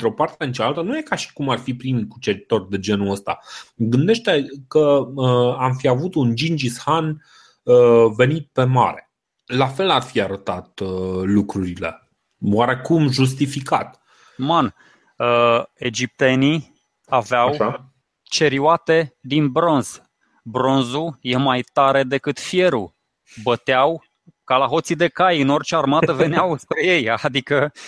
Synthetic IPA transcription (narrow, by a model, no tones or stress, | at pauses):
nt̪ɾo̞part̪eɨnt͡ʃaalt̪ənuje̞kaʃi̥kumarfipɾimikut͡ʃe̞ɾit̪o̞rʲd̪e̞d͡ʒe̞nuəst̪a̰ɡɨnd̪e̞ʃt̪e̞kəəamfiavut̪und͡ʒind͡ʒishan | əve̞nit̪̚pe̞ma̰ɾe | lafe̞larfiaɾət̪at̪lukɾuɾile̞̰ | waɾe̞kumʒus̬t̪ifikat̪ | man | əe̞d͡ʒip̚t̪e̞ni | aveawʃa | t͡ʃe̞ɾiuat̪e̞d̪inbɾo̞nz̥ | bɾo̞nzuje̞majt̪aɾe̞d̪e̞kɨt̪fije̞ɾu | bət̪eaw | kalaɦo̞t̪sid̪e̞kajɨno̞rt͡ʃearmat̪əve̞neawspɾe̞je̞jad̪ikə